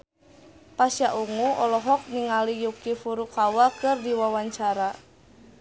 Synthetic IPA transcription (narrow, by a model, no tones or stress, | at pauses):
pasjaʔuŋuɔlɔɦɔk̚niŋalijukifuɾukawakɨrdiwawaɲt͡ʃaɾa